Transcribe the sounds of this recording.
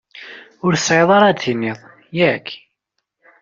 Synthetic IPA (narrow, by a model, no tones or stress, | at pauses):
ʊɾsʕeðˤɑɾˤɑd̪inɪðˤ | jækː